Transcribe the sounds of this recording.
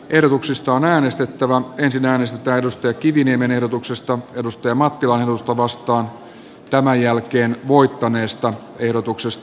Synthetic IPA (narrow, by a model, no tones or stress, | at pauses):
ʔehɾot̪uksist̪ɑonæːnest̪et̪ːæʋæensinæːnest̪et̪æːedust̪ɑjɑkiʋiniemenehɾot̪uksest̪ɑedust̪ɑjɑmɑt̪ːilɑnehɾout̪ust̪ɑʋɑst̪ɑːn | t̪æmæjjælkeːnʋoit̪ːɑneːst̪ɑ | ehɾot̪uksest̪ɑ